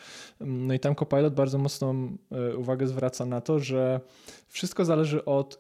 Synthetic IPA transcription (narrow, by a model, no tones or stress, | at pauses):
nɔit̪amkɔpajlɔd̪̚baɾd̪zɔmɔt̪snɔmuvaɡɛzvɾat̪sanat̪ɔʐɛ | fʂɘst̪̚kɔzalɛʐɘʔɔt̪